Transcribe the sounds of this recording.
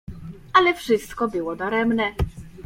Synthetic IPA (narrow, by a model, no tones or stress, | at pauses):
alɛfʂɘst̪kɔbɘwɔd̪ɔɾɛmnɛ